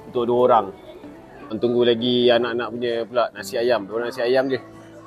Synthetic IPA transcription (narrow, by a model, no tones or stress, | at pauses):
unt̪ʊʔ̚duwəoɾaŋ | ənt̪uŋɡulaɡianaʔanaʔpuɲəpulaʔnasiajamduoɾanasiajamd͡ʒə